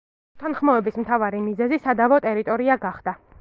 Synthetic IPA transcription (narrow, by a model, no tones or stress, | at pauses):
ut̪ʰanχmɔɛbismt̪ʰavaɾimizɛzisad̪avɔt̪ʼɛɾit̪ʼɔɾiaɡaχd̪̥a